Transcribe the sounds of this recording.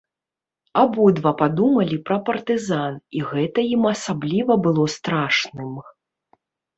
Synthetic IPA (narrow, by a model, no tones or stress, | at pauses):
abɔd̪vapad̪umɐlʲipɾɐpɐrt̪ɨzaniɣɛt̪ɐjimɐsablʲivɐbɨlˠɔst̪ɾaʂnɨm